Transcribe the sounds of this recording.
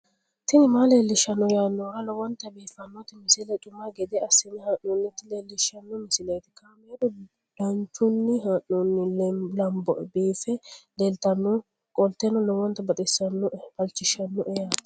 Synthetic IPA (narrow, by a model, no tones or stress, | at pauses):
t̪ɪnɪmaːleːlːɪʃːɐnːɔjaːnːɔɡɐlɔwɔnt̪ːɐbiːfɐnːɔt̪ɪmɪsɪlɛt͡ʃʼʊmaɡɛd̪ɛɐsɪnɪhɐnːunːɪt̪ːɪleːlːɪʃɐnːɔmɪsɪlet̪ɪ̥kɐmeːd̪ɔ | d̪̥ɐnt͡ʃːʊnːɪɦɐnːunːɪlɛlɐmbɔbiːfɛd̪ɛlt̪ɐnːɔ | kʼɔlt̪ːɛnːɔlɔwɔnt̪ːɐbɐt̪ʼɪsːɐnːɔfɐlt͡ʃːɪʃɐnːɔʔɛjat̪